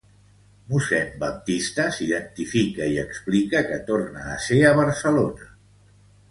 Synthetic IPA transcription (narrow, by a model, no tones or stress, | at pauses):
musɛmbəp̚t̪ist̪əsiðənt̪ifikəiəksplikəkət̪ornaːseəβəɾsəlonə